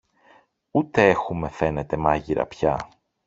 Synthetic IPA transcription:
ut̪e̞e̞xume̞fe̞ne̞t̪emɐʝiɾɐ̰pçɐ

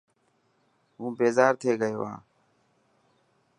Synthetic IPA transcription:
ɦũːbeːzaːɾt̪ʰeːɡəjo̰ːã̰ː

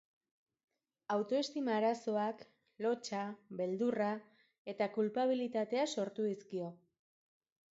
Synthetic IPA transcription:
awt̪o̞e̞st̪imaːɾaso̞ak | lo̞t͡ʃaβe̞ld̪ura | e̞t̪akulpaβ̞ilit̪at̪e̞aso̞ɾt̪uðiskio̞

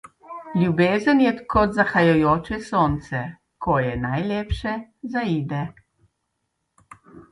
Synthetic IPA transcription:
lʲjubeːzənjɛkɔd̪zaxajɔjoːt͡ʃɛsoːnt̪sɛ | kʰɔjɛnajleːpʃɛzaiːd̪ɛ

